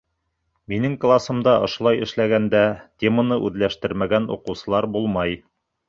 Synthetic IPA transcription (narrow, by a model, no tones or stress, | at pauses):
minɘŋklˠasɤ̆md̪ɑʔŏʃŏlˠɑjɘ̆ʃlæɡænd̪æt̪ʲemənɤʔʉðlæʃt̪ɘɾmæɡænṵqɤ̆wsɤ̆lˠɑɾbulˠmɑj